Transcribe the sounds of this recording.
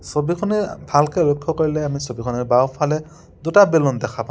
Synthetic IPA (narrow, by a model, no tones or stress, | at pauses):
sobikʰɔnɛbʱalkelɔkʰːɔkoɹilɛamisobikʰɔnɛɹbawpʰalɛ | dutabelɔndɛkʰapã